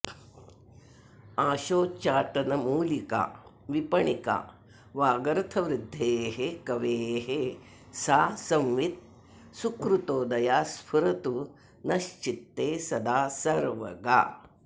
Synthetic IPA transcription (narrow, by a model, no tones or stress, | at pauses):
aːʃoːt͡ʃaːʈɐnɐmuːlika̰ː | ʋipɐɳika̰ː | ʋaːɡɐɾɐt̪ʰɐʋɾɪd̪ʱːeːɦekɐʋeːɦe | saːsɐmʋit̪̚ | sukɾut̪oːd̪ɐjaːspʰuɾɐt̪u | nɐʃt͡ʃit̪ːeːsɐd̪aːsɐɾʋɐ̰ɡa̰ː